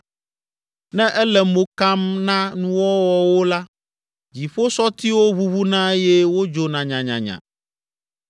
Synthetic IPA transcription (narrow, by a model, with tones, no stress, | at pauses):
nɛ̃˦ʔɛ˦lɛ˨mo˨ka˦mnã˦nũ˦wɔ˦wɔ˨wo˦la˦ | d͡ʑi˨ɸo˦sɔ˦t̪i˦wo˦βu˦βu˦nã˦jɛ˦wo˦d͡ʒo˨nã˨ɲã˨ɲã̰˨ɲã̰˨